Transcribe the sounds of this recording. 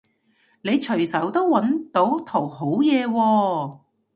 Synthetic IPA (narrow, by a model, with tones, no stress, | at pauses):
ne˨˧jt͡ʃʰɵ˨˩ɥsɐ˨˥wt̪o˥wwɐ˨˥nt̪o˨˥wt̪ʰo˨˩who˨˥wjɛː˨˧wɔː˧